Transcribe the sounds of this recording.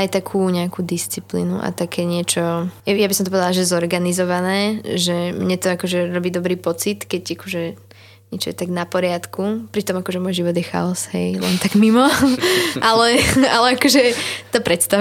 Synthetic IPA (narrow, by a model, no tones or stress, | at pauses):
ajt̪akʰuːɲɛakuːd̪ist͡siplḭːnṵʔa̰t̪akʰɛːɲɪɛt͡ʃɔjɛjabisɔmt̪ɔpɔʋɛd̪alaʒɛzɔɾɡanizɔʋanɛːʒɛmɲɛt̪ɔakɔʒɛɾɔbiːd̪ɔbɾiːpɔt͡sit̪kɛɟakɔʒɛ | ɲɛt͡ʃɔ̰jɛt̪aɡnapɔɾɪat̪kʰupɾit̪ɔmakɔʒɛmɔjʒiʋɔd̪jɛxa̰ɔsɦɛjlɛ̰nt̪aɡmimɔ | ʔalɛalɛakɔʒɛt̪apɾɛt̪st̪a